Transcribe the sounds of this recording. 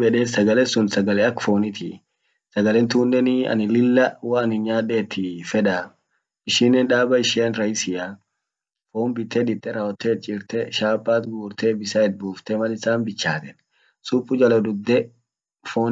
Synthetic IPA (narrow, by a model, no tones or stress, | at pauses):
bɛᶑeːsɐɡɐlɛsʊnsɐɡɐlɛɐkfo̞ːnɪt̪ʰɪ̰ | sɐɡɐlɛnt̪uːnːɛnɪɐ̰nɪlɪlːɐwɐɐnɪɲaːᶑɛːt̪ʰːɪfɛᶑ̪a | ɪʃɪnːɛnᶑaːbɐɪʃɪɐnɾɐjsɪja | fo̞ːmbɪt̪ʰːɛᶑ̪ɪt̪ʼːɛɾaːwɐt̪ːet̪̚t͡ʃʼɪɾt̪ɛʃaːpʼːaːt̪ɡuːɾt̪ɛbɪsɐɛt̪̚buːft̪ɛmɐlɪsaːnbɪt͡ʃːaːt̪ɛn | suːpːʊd͡ʒɐlɐd̪ʊd̪ːɛ | fo̞ːn